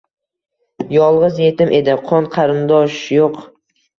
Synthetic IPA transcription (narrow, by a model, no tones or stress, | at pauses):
jɒlˠʁɨzje̞t̪ɪmʔe̞d̪ɪqʰɒnqʰɑɾɪnd̪ɒʃjoq